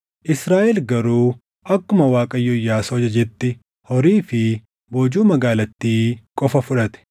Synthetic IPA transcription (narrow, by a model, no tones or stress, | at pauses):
ʔɪsɾaːʔɛlɡɐɾuː | ʔɐkːʊmɐwaːkʼɐjːʊjːaːsɐd͡ʒɐd͡ʒɛt̪ːɪ | hɔɾiːfɪ | boːd͡ʒuːmɐɡaːlɐt̪ːiːkʼɔfɐfʊᶑɐt̪ɛ̥